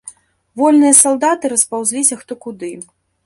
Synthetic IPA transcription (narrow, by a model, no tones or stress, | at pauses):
vɔlʲnɨjɐsalˠd̪at̪ɨɾɐspawzʲlʲisʲɐxt̪ɔkud̪ɨ